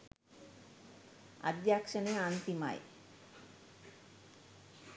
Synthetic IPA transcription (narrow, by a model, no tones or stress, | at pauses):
a̰d̪jakʂəneant̪ima̰j